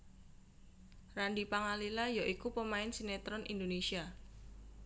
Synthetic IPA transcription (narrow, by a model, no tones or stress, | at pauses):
ranɖipaŋalilajaʔikupəmaɪnsinet̪ɾɔnʔḭnd̪onesia